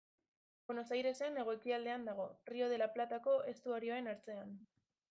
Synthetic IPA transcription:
onosajɾe̞sene̞ɣ̞o̞ekiald̪e̞and̪aɣ̞o̞rio̞ð̞e̞laplat̪ako̞ʔe̞st̪uaɾio̞e̞naɾt͡se̞an

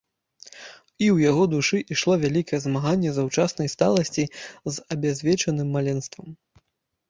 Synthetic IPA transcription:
iwjaɣɔd̪uʂɨʔiʂlˠɔvʲalʲikɐjɛzmaɣanʲːɛzawt͡ʂasnɐjst̪alˠɐsʲt͡sʲizɐbʲazʲvʲɛt͡ʂɐnɨmːalʲɛnst̪vɐm

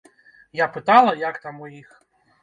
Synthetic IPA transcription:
japɪt̪ɑlˠɐjakt̪amɔjix

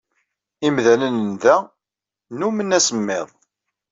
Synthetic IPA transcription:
imðænənnðæ | numənːæsəmːɪðˤ

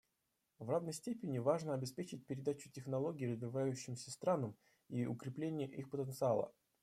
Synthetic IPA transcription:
vravnəjsʲtʲepʲɪnʲɪvaʐnəɐbʲɪspʲet͡ɕɪt̚ʲpʲɪɾʲɪd̪at͡ɕʊ̥tʲɪxnɐlˠo̞ɡʲɪːɾəzvʲɪvajʉɕːɪmsʲəst̪ɾanəm | iʊ̰kɾʲɪplʲenʲɪjəʔixpət̪ənt̪sɨalˠə̰

